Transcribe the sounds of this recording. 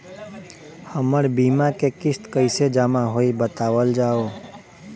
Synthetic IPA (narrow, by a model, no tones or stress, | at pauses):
həməɾbiːmãkekɪst̪kəɪsed͡ʒamaɦoibət̪aːʋəld͡ʒaːo